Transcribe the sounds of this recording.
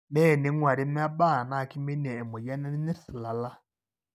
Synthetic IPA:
nɛ˦˨ne˨˦ŋwa˨ɾi˦mɛ˦a˦ba˦˨na˦˨ki˦me˦nɛ˨ɛ˨mo˨ja˦nɛ˦n˦nɛ˦si˨la˨la˦

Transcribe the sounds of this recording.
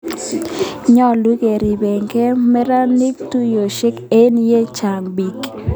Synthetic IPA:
ɲɔ˦lu˦ɡe˨ɾi˨be˨ŋɡe˦mɛ˦ɾa˦ni˦k̚tu˦jo˨ʃe˦ke˦nje˦t͡ʃa˨mbi˨k

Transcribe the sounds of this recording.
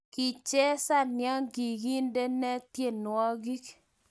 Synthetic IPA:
ki˨t͡ʃe˦sa˦nja˦ŋɡi˨ɡi˦nde˦nɛ˦tje˦nwɔ˦ɡi˦k

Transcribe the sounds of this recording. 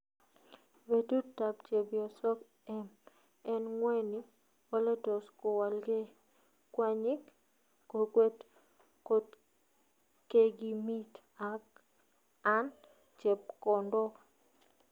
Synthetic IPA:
be˨tu˦ta˨p̚t͡ʃe˨bjɔ˨sɔ˦k | ɛ˦m | ɛ˦nŋwe˦ni˦ | o˦le˦tɔ˨sko˨wa˨lɡe˦ | kwa˦ɲɪ˦k | ko˨kwe˦t | ko˦t | ke˦ɡi˨mi˦t | a˨k | a˦n | t͡ʃe˨p̚kɔ˨ndɔ˦

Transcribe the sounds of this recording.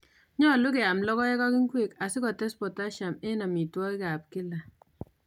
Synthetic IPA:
ɲɔ˦lu˦kɛ˨a˨mlɔ˦kɔ˦e˦ka˦ki˦ŋkwe˨ka˨si˦kɔ˨tɛ˦spɔ˨ta˦ʃa˨me˦na˨mi˨twɔ˦i˦ka˨p̚ki˦la˨

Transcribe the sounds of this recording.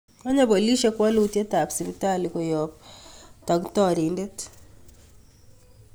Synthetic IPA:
a˦ɲa˦bo˨li˦ʃe˦kwa˦lu˨tje˦ta˨psi˨bi˦ta˦li˨ko˨jɔ˨ptɔ˨ɡtɔ˦˨ɾi˨nde˦t

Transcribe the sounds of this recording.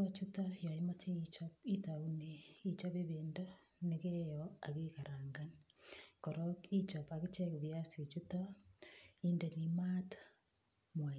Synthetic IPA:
at͡ʃutaja˨ema˦t͡ʃe˦it͡ʃopi˦tau˦ne˨i˦t͡ʃa˦βe˦βendo˦ | neɣe˦jɔa˨ɣeka˨ɾaːŋɡankɔɾɔki˦t͡ʃɔpaɣe˦t͡ʃɛ˦kβjasio˨t͡ʃuta˦ | i˦nde˨ni˨ma˦tḁ | mwa˨

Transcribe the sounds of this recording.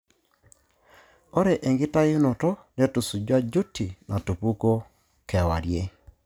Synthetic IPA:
o˦ɾe˨ʔe˨ŋɡɪ˦ta˦jʊ˦no˨tɔ˦ne˦tu˨su˨d͡ʒwa˦d͡ʒu˦ti˨na˨tu˨pu˦ko˦ | kɛ˨wa̰˨ɾje˦

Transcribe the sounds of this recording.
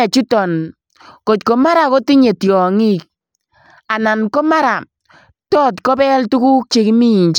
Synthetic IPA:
ɛ˨t͡ʃu˦tɔ˨n | ko˨tko˨ma˦ɾa˨ko˦ti˦ɲe˨tjɔ˨ŋi˦k̚ | a˨na˨nkɔ˦ma˦ɾa˨ | tɔː˦tkɔ˦bɛ˦ltu˦ku˦k̚t͡ʃe˦ki˦mi˦i˨nt͡ʃ

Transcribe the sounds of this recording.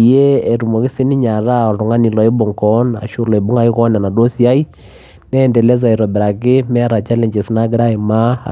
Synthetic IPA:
je˦e˨ɾu˨mɔ˨kɪ˦sɪ˦ni˦ɲa˨ɾa˦ɔ˨ɾʊ˨ŋa˦ni˨lɔ˨˦ɪ˦bʊ˨ŋkɔ˦na̰˨ʃu˦˨ɾlɔ˨i˨bʊ˦ŋa˦i˦kɔ˦na˨na˨do˦si˦a˦i˦ | nɛ˦˨ndɛ˨lɛ˦s̬a˨i˨ɾɔ˨bɛ˨ɾa˨kɪ˦mɛ˦a˦ɾa˨t͡ʃa˦le˨ɲd͡ʒe˨sɪ˦na˦ɡɪ˦ɾa˦ɪ˨ma̰˦˨

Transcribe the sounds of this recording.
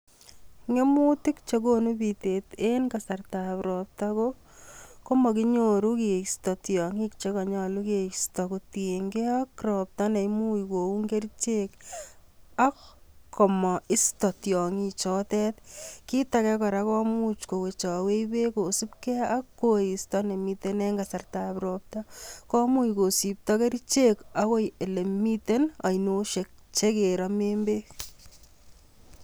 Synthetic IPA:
ŋe˦mu˦tɪ˦k̚t͡ʃe˦ɡo˦nu˦bi˨te˨te˦nka˨sa˨rta˨pɾɔ˨p̚tako˦ | ko˦mɔ˨ki˦ɲoɾu˦ke˨stɔ˨tjɔ˨ŋi˦kt͡ʃe˦kɔ˨ɲɔ˦lu˦ke˨stɔ˨ko˨te˨ŋɡe˦akrɔ˨p̚ta˦nɛ˨imu˦i˨ko˨u˦ŋɡe˦ɾt͡ʃe˦k | a˦kːʰɔ˨mɔ˨ɪ˦stɔ˨tjɔ˨ŋi˦t͡ʃɔ˦tɛ˦tki˦takɛ˦kɔ˨ɾakɔ˦mu˦t͡ʃko˨we˨t͡ʃɔ˨we˦jbe˦ko˨si˦pkɛ˦a˦kːo˨istɔ˦ne˨mite˦nɛ˦ŋɡasa˨rta˨pɾɔ˨p̚tɔkɔ˦mu˦jko˨si˨p̚tɔke˦ɾit͡ʃe˦ka˦ko˦je˨le˨mite˦na˨jno˦ʃe˨k̚t͡ʃe˦ke˨ɾɔmembe˦

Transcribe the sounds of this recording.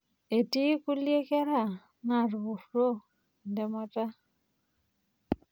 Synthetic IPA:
e˨ti˦ku˦lje˦kɛ˦ɾa˨ | na˨ɾβu˨kɾo˦˨ | ndɛ˨mɔ˦ta˦

